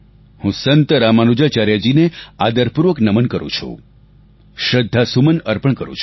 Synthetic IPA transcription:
hũsənt̪əɾamanud͡ʒat͡ʃaɾjad͡ʒinead̪əɾpuɾʋəknəmənkəɾṵ̃t͡ʃʰṵ | ʃɾəd̪ʱːasumənəɾpəɳkəɾṵ̃t͡ʃʰ

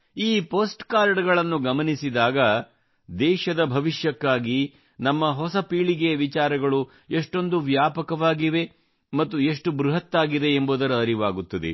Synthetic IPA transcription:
iːpoːsʈkaːɾɖɡɐɭɐnːuɡɐmɐnisid̪aːɡɐ | d̪ɛːʃɐd̪ɐbʱɐʋiʃjɐkːaːɡi | nɐmːɐɦɔsɐpiːɭiɡeɐʋit͡ʃaːɾɐɡɐɭu | eʂʈo̞nd̪uʋjaːpɐkɐʋaːɡiʋe̞ | mɐt̪ːueʂʈubɾuɦɐt̪ːaːɡid̪e̞ːmboːd̪ɐɾɐːɾiʋaːɡut̪ːɐd̪ḛ

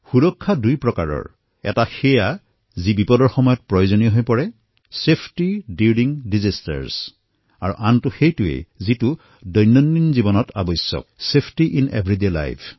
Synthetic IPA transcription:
xuɹɔkʰːadujpɹɔkaɹɔ̰ɹ | ɛ̰taxɛja | zibipɔdɔɹxɔmɔjɔt̚pɹɔjozɔnijɔɦojpɔɹɛ | sepʰtidiɹɾiŋdizasta̰ɹs | aɹṵʔantʊxejtʊḛzitʊ | dɔjnːɔnːinzibɔnɔta̰bɔsjɔ̰k̚sepʰtiʔinḛbʱɹidela̰jpʰ

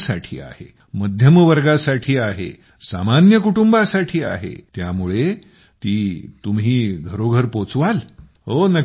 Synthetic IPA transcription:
sa̰ʈʰḭːa̰hḛ | məd̪ʱjəmʋəɾɡasaʈʰiːaɦḛ | sa̰manjəkuʈumbasaʈʰiːa̰ɦḛt̪jamuɭe | t̪iːt̪umɦiːɡʱəɾoɡʱəɾpot͡sʋal | ɦonə

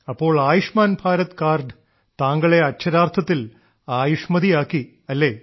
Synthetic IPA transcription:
ɐpːo̞ːɭaːjuʂmaːnbʱaːɾɐt̪kaːrɖɨ | t̪aːŋɡɐɭe̞ɐt̚t͡ɕʰɐɾaːrt̪ʰɐt̪ːil | aːjuʂmɐðijaːkːi | ɐlːe̞ː

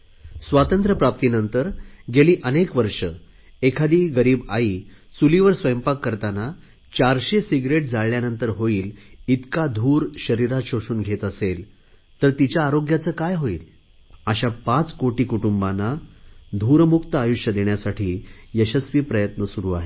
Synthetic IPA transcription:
sʋat̪ənt̪ɾəpɾap̚t̪inənt̪əɾɡʱeliːʔənekʋəɾʂə | ekʰad̪iːɡəɾiːbaiː | t͡suliʋəɾsʋəjmpakːəɾt̪ana | t͡ɕaɾɕesiɡɾeʈ̚d͡zaɭljanənt̪əɾɦoiːlit̪kad̪ʱuːɾɕəɾiɾaɕoʂuːnɡʱet̪əsel | t̪əɾt̪it͡ɕjaːɾoɡjat͡səːkajɦoiːl | aɕapãt͡skoʈiːkuʈumbanad̪ʱuɾmukt̪əajuɕjəd̪eɳjasaʈʰiːjəɕəsʋiːpɾəjət̪nəsuɾuːaɦe

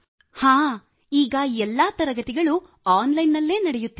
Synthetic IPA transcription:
haː | iːɡɐɛlːɐːt̪ɐɾɐɡɐt̪iɡɐɭu | aːnlɐjnːɐlːe̞ːnɐɽejut̪ːi

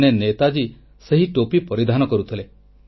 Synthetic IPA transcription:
nenet̪ad͡ʒi | səɦiʈopipɔɾid̪ʱanɔkɔɾut̪ʰile

